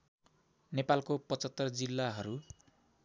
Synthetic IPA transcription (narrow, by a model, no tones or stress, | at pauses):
nepalkopʌt͡sʌt̪ːʌrd͡zilːaɦʌɾu